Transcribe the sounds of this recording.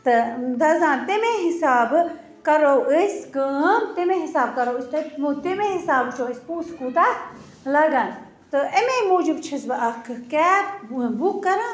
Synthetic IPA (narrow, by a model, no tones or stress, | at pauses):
t̪ɨd̪ɐzãːnt̪emẽɦisaːb | kɐɾoːʔisɡəːmt̪emẽɦisaːb̚kɐɾoːisʲt̪ɐmot̪emeɦisaːbt͡ʃʰoːisʲpuːskuːt̪a | lɐɡan | t̪ɨememoːd͡ʒibt͡ʃʰɐsbɐʔɐkʰkɛːpbukːɐɾãː